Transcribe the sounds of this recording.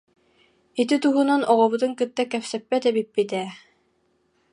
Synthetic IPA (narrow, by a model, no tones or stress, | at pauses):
it̪it̪uɦunanɔʁɔβut̪ɯŋkɯt̪ːakɛpsɛpːɛt̪ɛbipːit̪ɛ